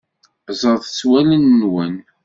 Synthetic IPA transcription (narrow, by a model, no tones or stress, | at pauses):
zˤəðˤt͡sːwælənːwən